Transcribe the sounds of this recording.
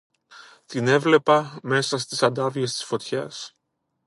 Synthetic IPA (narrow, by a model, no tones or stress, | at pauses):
t̪ine̞vle̞pɐme̞sɐst̪isɐnd̪ɐvie̞st̪i̥sfo̞t̪çɐs